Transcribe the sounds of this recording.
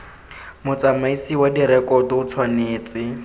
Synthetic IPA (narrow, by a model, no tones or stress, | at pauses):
mʊt͡samaisiwadiɾɛkɔtɔʊt͡sʰwaneːt͡sɪ